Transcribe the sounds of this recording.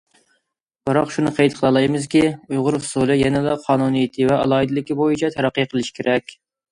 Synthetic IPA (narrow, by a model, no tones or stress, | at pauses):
b̥ɨɾɑqʃunɨqʰejt̪qʰəlˠɑlˠɑjmɨzkʲiujʁʊɾhusulˠɨjɛnɪd̪ɑqʰɑːnunijit̪ʰɨvɛʔɑ̰lˠɑːid̪ɪlˠɪkʲibojit͡ʃʰɛt̪ʰɛɾɑqːijqʰəlˠɨʃi̥kʲʰeɾʔɛkʲ